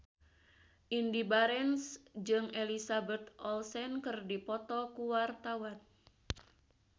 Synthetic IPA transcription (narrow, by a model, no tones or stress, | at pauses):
ʔindibaɾɛnsd͡ʒɨŋelisabɛt̪ɔlsɛnkɨrdipɔt̪ɔkuwart̪awan